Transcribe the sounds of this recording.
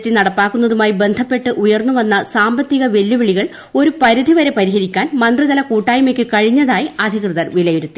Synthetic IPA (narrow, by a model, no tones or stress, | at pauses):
tinɐɽɐpːaːkːunːɐðumaːjibe̞nd̪ʱɐpːe̞ʈːɨʔujɐrnːuʋɐnːɐsaːmbɐt̪ːiɣɐʋe̞lːuʋiɭiɣɐɭ | o̞ɾupɐɾid̪ʱiʋɐɾe̞pɐɾiɦɐɾikʲːaːnmɐnd̪riðɐlɐkuːʈːaːjumekʲːɨkɐɻiɲːɐðaːjiɐd̪ʱikrɨðɐrʋilɐjoɾut̪ːi